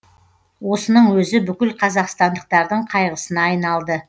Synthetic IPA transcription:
wo̞sənəɴwɵzɪbʏkʲɪlqʰɑzɑqst̪ɑnd̪əq̚t̪ɑɾd̪əɴqʰɑjʁəsənɑːjnɑlˠd̪ə

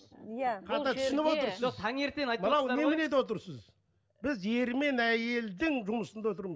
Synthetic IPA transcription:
jqʰɑɑt̪ʰʏsʏnɪpwo̞t̪əɾsəot̪ʰɑŋe̞ɾt̪enjt̪bɑlˠɑw̪e̞mɪne̞t̪wo̞t̪əɾsəz | b̥ɪzje̞ɾme̞næje̞ld̪ɪŋʒʊməsənd̪awo̞t̪əɾməz

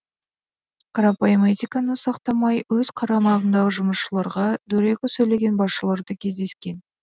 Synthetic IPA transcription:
qʰɑɾɑpojmet̪ikɑnəsɑqt̪ɑmɑjwɵzqʰɑɾɑmɑʁənd̪ɑʁəʒʊməsʃəlˠɑɾʁɑd̪ɵɾe̞kʲɪsɵjle̞ɡʲe̞nbɑsʃəlˠɑɾd̪əkʲʰe̞zd̪e̞skʲe̞n

